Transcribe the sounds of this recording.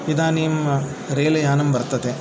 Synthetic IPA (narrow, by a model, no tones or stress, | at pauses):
id̪aːnijɐm | ɾeːlɐjaːnɐmbɐɾt̪ɐt̪e